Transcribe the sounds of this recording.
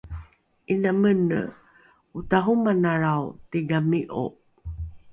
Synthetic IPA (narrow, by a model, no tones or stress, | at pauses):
inamənə̰ | utaɦumanaɭawtiɡamiʔo̰